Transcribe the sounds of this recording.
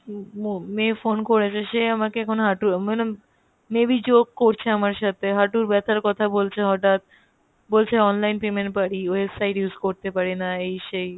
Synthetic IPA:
mefonkoɾet͡ɕʰeʃeamakeɛkʰonoɦaʈumane | mebid͡ʑoɡ̚koɾt͡ɕʰeamaɾʃat̪ʰeɦaʈuɾbɛt̪ʰaɾkɔt̪ʰabolt͡ɕʰeɦɔʈat̪̚ | bolt͡ɕʰeɔnlajnpemeɳʈ̚paɽioesajʈjuzkoɾt̪epaɾenaejʃej

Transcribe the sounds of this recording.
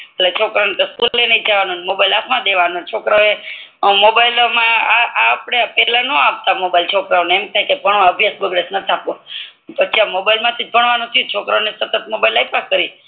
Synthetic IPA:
əlet͡ʃʰokɾanet̪oskullenəid͡ʒaʋanunemobailapʰmãd̪eʋanũt͡ʃʰokɾaoe | mobajlomãaapɽ̃epɛlãnõap̚t̪amobailt͡ʃʰokɾaoneemk̪ʰakepəɳõəbʱjasbəɡɽesnət̪ʰiapõ | pət͡ʃʰiamobailmãt̪ʰid͡ʒbʱəɳ̃ʋanũt̪ʰjũt͡ʃʰokɾaonesət̪ət̪̚mobailaipakkəɾi

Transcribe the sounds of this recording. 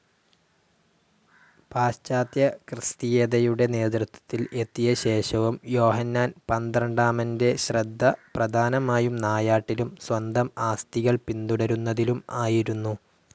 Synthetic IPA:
paːɕt͡ɕaːt̪jɐkrɨst̪ijeːðɐjuɽe̞ne̞ːd̪ɾut̪ʰːwɐ̥t̪ːile̞t̪ːijɐɕe̞ːɕɐʋumjo̞ːɦɐnːaːnpɐnd̪rɐɳɖaːmɐnde̞ɕrɐd̪ʱːɐprɐd̪ʱaːnɐmaːjumnaːjaːʈːilumswɐnd̪ɐmaːst̪iɣɐɭpind̪uɽɐɾunːɐðilumaːjiɾunːu

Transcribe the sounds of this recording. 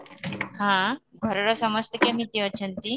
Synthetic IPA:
hãɡʱɔɾɔɾɔsɔməst̪ekemit̪iət͡ɕʰənt̪i

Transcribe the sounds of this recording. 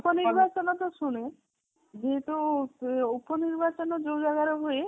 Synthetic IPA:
upɔniɾbat͡ʃɔnɔt̪oʃune | d͡ʒeɦet̪u | uponiɾbat͡ɕɔnɔd͡ʒowd͡ʒaɡaɾɔɦoe

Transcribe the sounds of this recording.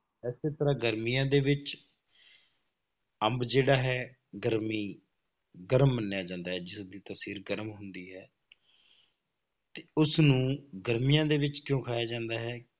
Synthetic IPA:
ɛːseːt̪əɾãːɡəɾmijãːd̪eːʋɪt͡ʃ | əmbd͡ʒeːɽaːɦɛː | ɡəɾmiː | ɡəɾəmːənːjaːd͡ʒãːnd̪aːɦɛːd͡ʒɪsd̪iːt̪əsiːɾɡəɾmɦʊnd̪iːɦɛː | t̪eːʊsnũːɡəɾmijãːd̪eːʋɪt͡ʃkjõːkʰaːjaːd͡ʒãːnd̪aːɦɛː

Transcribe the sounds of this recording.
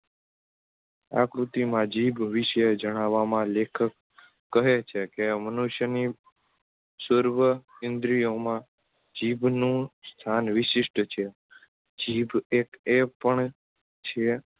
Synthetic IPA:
a̰kɾut̪imãd͡ʒibʋiʃəed͡ʒəɽ̃aʋamãlekʰəkː | əɦet͡ʃʰekemənuʃjəni | səɾʋəɪnd̪ɾijomã | d͡ʒibʱnũst̪ʰanʋɪʃɪʂʈt͡ʃʰe | d͡ʒibekepəɳ | t͡ʃʰe

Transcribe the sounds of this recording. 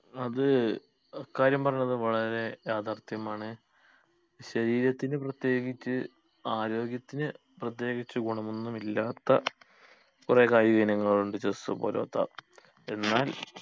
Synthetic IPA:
ɐðɨ | ɐkːaːɾjɐmpɐrɐɲːɐðɨʋɐɭɐɾe̞jaːd̪ʱaːrt̪ɐjɐmaːɳɨ | ɕɐɾiːɾɐt̪ːinɨprɐt̪je̞ːɡit͡ɕːɨ | aːɾo̞ːɡjɐt̪ːinɨ | prɐt̪̬jeːɣit͡ɕːɨɡuɳɐmonːumilːaːt̪ːɐ̰ | kure̞ːkaːjuɡɐnɐŋːɐɭuɳɖɨt͡ɕessṵpo̰ːloːt̪ːa̰ | e̞nːaːl

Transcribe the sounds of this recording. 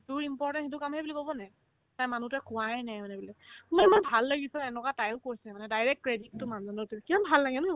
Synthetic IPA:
duɹimpɔɹtɛnxet̬ʊkamɦɛbulikobɔnɛ | tajmanutʊɛkʰʊajnajmanɛbulɛmɔɛmanbʱalːaɡisɛɛnɔkatajʊkoɹisɛmanɛdajɹɛk̚t̚kɹeditːʊmanzɔnɔtukimanbʱalːaɡɛnɔ

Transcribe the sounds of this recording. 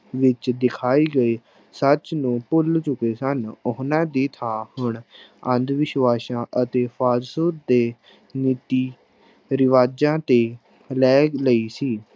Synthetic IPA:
ʋɪt͡ʃd̪ɪkʰaːiːɡəeː | sət͡ʃnũːpʊlt͡ʃʊkeːsənʊɦnãːd̪iːt̪ʰãːhʊɳə̃nd̪ʋɪʃʋaːsãːʔət̪eːpʰaːɾsuːt̪̚d̪eː | niːt̪iː | ɾɪʋaːd͡ʒãːt̪eː | lɛːləiːsiː

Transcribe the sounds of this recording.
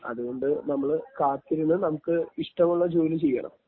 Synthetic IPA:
ɐ̰ðuɣo̞ɳɖɨnɐmːɐɭkaːt̪ːiɾunːɨnɐmukːɨiʂʈɐmuɭːɐd͡ʑoːlit͡ɕe̞jːɐ̰ɳɐ̰m

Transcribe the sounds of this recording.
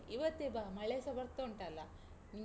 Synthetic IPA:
iʋɐt̪ːibamɐɭeːsɐbɐɾt̪ːoɳʈɐlːɐ | nim

